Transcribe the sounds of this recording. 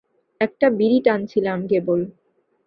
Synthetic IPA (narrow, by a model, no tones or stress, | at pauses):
ɛk̚ʈabiɾiʈant͡ɕʰilamkebol